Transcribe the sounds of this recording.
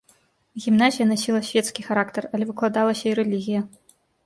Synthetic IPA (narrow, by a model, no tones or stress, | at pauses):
ɣʲimnazʲijɐnasʲilˠɐsʲvʲɛt̪skʲixaɾakt̪ɛrɐlʲɛvɨklˠad̪alˠɐsʲɐiɾɛlʲiɣʲijɐ